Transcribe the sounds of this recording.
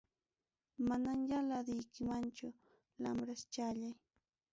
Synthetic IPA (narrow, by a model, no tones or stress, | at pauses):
manaŋjalad̪ɪjkɪmant͡ʃʊ | lamɾast͡ʃaʎaj